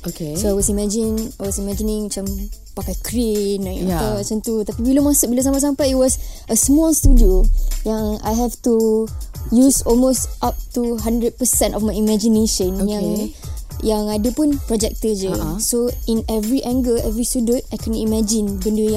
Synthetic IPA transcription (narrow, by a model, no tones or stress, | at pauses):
okesoajwɔsimɛ̃d͡ʒinajwɔsimɛ̃d͡ʒinɪ̃ŋmat͡ʃam | pakajkɾinãəat͡ʃant̪ut̪apibiləmãsʊbilas̬ãmpas̬ampajit̚wɔsʔəsmɔlstudiojaŋa̰jɦɛftu | jusɔlmostʔap̚tuɦãndɾəd̚pəsɛ̃ntɔfmajimɛ̃d͡ʒineʃə̃njaŋ | jaŋadəpʊnpɾɔd͡ʒɛk̚t̪əd͡ʒəsoinɛvɾiʔɛ̃ŋɡəɛvɾistudə̃tajkɛ̃nimɛ̃d͡ʒĩnbəndəjã